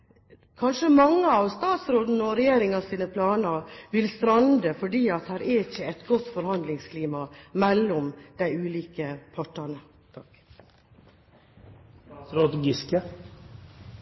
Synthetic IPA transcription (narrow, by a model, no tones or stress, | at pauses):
kʰɑnʂəmɑŋːəɑʋst̪ɑːt̪sɾoːd̪nəɔɾɛjeːɾɪŋɑsiːnəpʰlɑːnɑʋɪlst̪ɾɑnd̪əfɔɖiːɑt̪hæːɾɛɾɪçəɛt̪ɡɔt̪ːfɔɾhɑnd̪lɪŋskʰliːmɑmɛlːɔmd̪̥æɪʉːliːkəpʰɑʈɑnə | t̪ʰɑk | ɾɑt̪ɡɪskə